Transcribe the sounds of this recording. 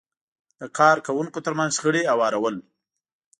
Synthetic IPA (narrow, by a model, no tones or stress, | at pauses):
d̪̥əkʰɑɾkawuŋkot̪əɾmanzxəɽeawɑɾawəl